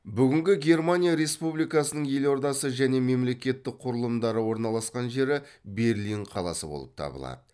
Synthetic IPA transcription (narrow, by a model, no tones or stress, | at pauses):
bʏɡʲɪŋɡʲɪɡʲe̞ɾmanʲijaɾe̞spublijkɑsənəɴje̞lo̞ɾd̪ɑsəʒæne̞me̞mle̞kʲe̞t̪ːɪk̚qʰʊɾəlˠəmd̪ɑɾəwo̞ɾnɑlˠɑsqɑnʒe̞ɾɪ | be̞ɾliɴqʰɑlˠɑ̰sə̰bo̞̰lˠə̰p̚t̪ʰɑ̰bə̰lˠɑ̰d̪ə